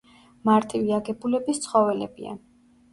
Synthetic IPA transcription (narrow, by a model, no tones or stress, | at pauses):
maɾt̪ʰʼiviaɡɛbulɛbist̪sʰχɔvɛlɛbḭa̰